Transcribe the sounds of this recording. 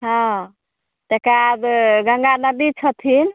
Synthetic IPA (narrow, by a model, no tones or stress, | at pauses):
ɦɔ̃ | t̪ekabɡə̃ŋɡanəd̪it͡ʃʰət̪ʰin